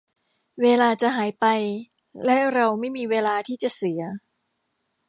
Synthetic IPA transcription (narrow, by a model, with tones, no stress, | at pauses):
weː˧laː˧t͡ɕa˨˩ɦaː˩˦jpa˧j | lɛ˦˥ɾa˧wma˥˩jmiː˧weː˧laː˧t̪ʰiː˥˩t͡ɕa˨˩ʔsi˩˦ɐ